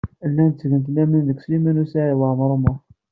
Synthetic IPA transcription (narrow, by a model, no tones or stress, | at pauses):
lːænt͡sːɡənt̪̬læminðəkslimænusæʕiwamɾˤmə